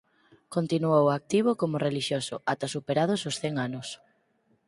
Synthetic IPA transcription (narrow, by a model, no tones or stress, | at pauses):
kont̪inuowak̚t̪iβ̞ʊkomʊreliʃjosʊat̪asupeɾað̞ʊsʊsθɛŋanʊs